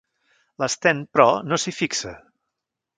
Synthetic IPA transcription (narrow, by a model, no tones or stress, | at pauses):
ləst̪ɛnpɾɔnosifiksə̰